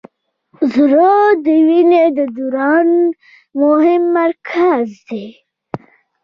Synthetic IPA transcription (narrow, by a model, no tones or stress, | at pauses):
zɾod̪əwined̪əd̪uɾɑn | mʊɦɪmːaɾkʰazd̪e